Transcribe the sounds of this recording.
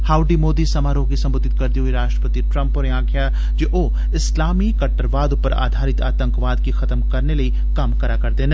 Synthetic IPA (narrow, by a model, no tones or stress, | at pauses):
haːʊɖimoːd̪isɐmaːɾõkisɐ̃mbʊd̪ʱːɪt̪̚kɐɾt̪iɦuiɾaːʃʈɾəpət̪iʈɾɐ̃mpɔːɾãːkʰja | d͡ʒoːʔoː | ɪslaːmikɐʈːəɾʋaːd̪ʊpəɾa̰ːd̪ʱaːɾɪt̪a̰ːt̪ə̃ŋkʋaːd̪kixɐt̪mkɐɾnelɐi | kaːmkɐɾakɐɾd̪ẽːn